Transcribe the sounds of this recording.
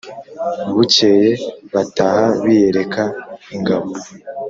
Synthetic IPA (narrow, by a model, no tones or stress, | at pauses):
βuceje̞βatahaβije̞ɾe̞kʰaiŋɡaβo